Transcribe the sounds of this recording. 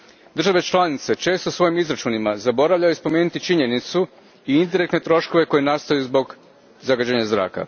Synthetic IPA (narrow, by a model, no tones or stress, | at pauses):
d̪r̩ʒaʋe̞t͡ʃlˠanit̪se̞t͡ʃe̞ːst̪osʋo̞jimizɾat͡ʃuːnimazabo̞ɾaʋʎʲajuispo̞me̞ːnut̪it͡ʃiɲe̞nit̪su | iind̪iɾe̞kt̪ne̞t̪ɾo̞ʃko̞ʋe̞ko̞jenast̪ojuzbo̞ɡ | zaɡad͡ʑeɲazɾa̰ːka̰